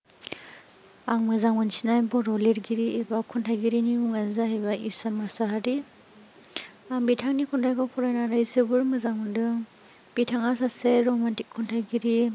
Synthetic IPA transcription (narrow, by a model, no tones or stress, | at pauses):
aŋmɯzaŋɯnsinajbɔɾɔliɾɡiɾiebakʰɔntʰajɡiɾiniuŋanzahajbaḭsanmasaɦaɾi | ambitʰaŋnikʰɔntʰajɡɔpʰɔɾajnaɾajsɯbɯɾmɯzaŋɯndɯ | bitʰaŋasaseɾɔmantikʰːɔntʰajɡiɾi